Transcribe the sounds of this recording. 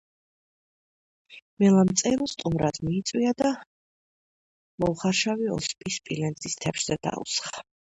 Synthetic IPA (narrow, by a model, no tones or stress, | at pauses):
mɛlamt̪sʼɛɾst̪ʼumɾad̪miːt̪sʼwiad̪a | mɔlχaɾʃaviɔ̰spʼispʼilɛnzʼist̪ʰɛpʃz̥ɛd̪̥a̰ṵsχḁ